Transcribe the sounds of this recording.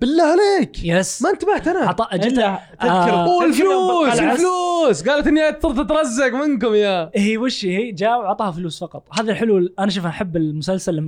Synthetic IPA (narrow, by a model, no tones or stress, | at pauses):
b̥ɪlːaːʕaleːkjɛsmaʔɪnt̪abaħt̪ʔanaʕt̪ˤɑːʔaat̪a | ɪkuːlfluːsafluːsɡaːlat̪ʔɪnːiʔat̪sʊɾˤt̪ˤɪt̪ɾˤɑzːakmɪnkʊmjahiːwɪʃihid͡ʒaːwaʕt̪ˤɑːhafluːsfɑqɑt̪ˤhaːðilħʊluːlʔanaʃ̬uːfʔaħɪbːɪlmʊsalsal